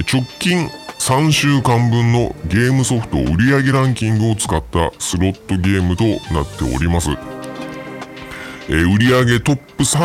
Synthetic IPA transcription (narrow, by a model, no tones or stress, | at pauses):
t͡ɕo̞kʲːĩŋsãɰ̃ɕɨːkãmbɯ̟̃nːo̞ɡʲe̞ːmɯ̟so̞ɸɯ̥t̪o̞̰ɯɾʲiaɡe̞ɾãŋkʲĩŋɡɯ̟o̞t͡sɨ̥kat̪ːa̰sɨɾo̞t̪ːo̞ɡʲe̞ːmɯ̟t̪o̞nat̪ːe̞̰o̰ɾʲimasɨ | eɯ̟ɾʲiaɡe̞t̪o̞pːɯ̟sa